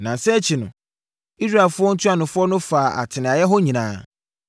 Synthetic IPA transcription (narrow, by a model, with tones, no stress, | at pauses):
nã˨sɛ˦t͡ɕʰi˨nʊ̰̃˨ | i˦s̬ɾa˦˨e˨lfʊ˦ɔ˦n̩˦tʰu˦a˨nʊ̃˨fʊ˦ɔ˦nʊ̃˦fa˨a̰˨tʰɪ˨nɪ̃˨a˨jɛ˦ɦɔ˦ɲĩ˨nãː˦